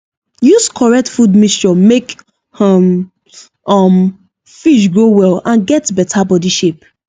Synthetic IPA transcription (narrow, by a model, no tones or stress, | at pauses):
juskʰɔɹɛk̚tfudmist͡ʃɔmek | ɔm | ɔm | fiʃ̬ɡɹowɛlãnɡɛtbɛtʰabɔdiʃep̚